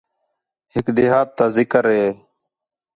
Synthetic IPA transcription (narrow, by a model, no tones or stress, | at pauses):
hɪkd̪eːɦaːt̪ːaːzɪkəɾɦeː